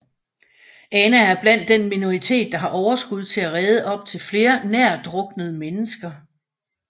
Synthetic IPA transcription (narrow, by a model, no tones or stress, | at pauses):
ʔɛnææɐb̥læn̰d̥ːenmino̝ʁit͡sʰe̝̰ːd̥̚ːɑ̈ɦɑ̈ʔɒʊɐsɡ̥uð̞ˠt͡sʰe̝læʁɛːð̞ˠəʔɒ̽b̥̚t͡sʰe̝lfle̝ːɐnæɐ̰d̥ʁɔ̽ɡ̥nəð̞̩ˠəmenəsɡ̥ɐ